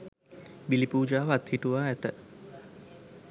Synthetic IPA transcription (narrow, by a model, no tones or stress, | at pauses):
bilipuːd͡ʒaːʋat̪hiʈuʋaːæt̪ə